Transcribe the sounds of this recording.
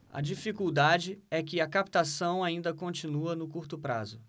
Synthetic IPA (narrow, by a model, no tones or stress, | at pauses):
ɐ̰d͡ʒifikuwd̪ad͡ʒɪɛkɪɐkap̚t̪asɐ̃w̃aĩnd̪ɐkõt͡ʃĩnuɐnʊkuɾt̪ʊpɾa̰zʊ